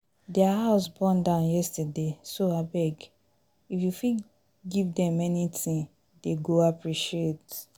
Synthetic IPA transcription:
dɛaɦaʊsbɔ̃ndãʊ̃njɛstadesoabɛɡ | ifjufi | ɡivdɛ̃mɛnitʰĩn | deɡoapɹiʃiet

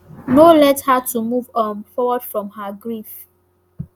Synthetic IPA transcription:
nolɛthatumuvɔ̃nfɔwɔd̥fɹɔ̃mhaɡɹif

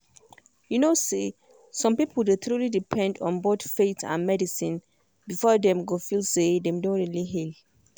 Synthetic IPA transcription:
junose | sɔ̃mpipʰəldetɹulidipʰɛ̃ndɔ̰̃nboθfetʰã̰nmɛdisĩn | bifɔdɛ̃mɡofilsedɛ̃mdõnɹiliɦil

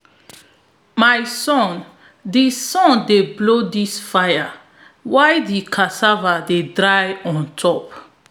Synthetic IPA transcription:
majsɔ̃n | disɔ̃ndeblodisfaja | wajdikʰasavadedɹajɔ̃ntʰɔp

